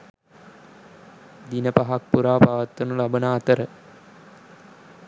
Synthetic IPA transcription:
d̪inəpaɦak̚puɾaːpaʋat̪ːɐnulabənaːt̪əɾə

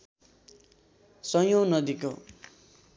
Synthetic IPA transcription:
sʌjonʌd̪iko

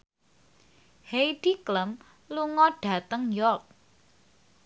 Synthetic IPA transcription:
hejɖ̥ikləm | luŋɔɖ̥ä̤t̪əŋjɔrk̚

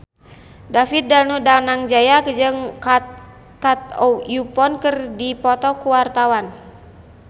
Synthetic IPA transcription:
dafit̪̚dalnudanaŋd͡ʒajakd͡ʒəŋ | kat̪̚ɔjupɔnkərdipɔt̪ɔkuwart̪awan

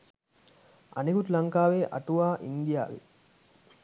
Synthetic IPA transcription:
ɐ̰nekut̪lɐŋkaːʋeːʔɐ̰ʈuʋaːʔind̪ija̰ːʋḭ

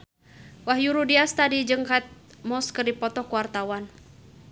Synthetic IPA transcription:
wahjuɾudiast̪adid͡ʒəŋkat̪̚mɔskərdipɔt̪ɔkuwart̪awan

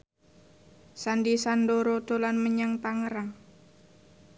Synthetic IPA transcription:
sandisandoɾod̪̥o̤lanməɲaŋt̪aŋəɾaŋ

